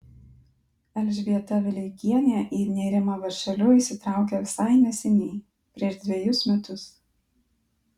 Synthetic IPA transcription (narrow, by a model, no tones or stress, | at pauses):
ɛlʲʒʲʋʲiɛt̪ɐʋʲɪlʲɪɡʲiɛnʲɛʔiːnʲɛːɾʲɪmɑʋɐɾʲʃʲɛlʲʊiːsʲɪt̪ɾɑˑʊkʲɛʋʲɪsɑˑɪnʲɛsʲɛnʲiɪ | pʲɾʲiɛʒd̪ʲʋʲɛjʊsmʲɛt̪ʊs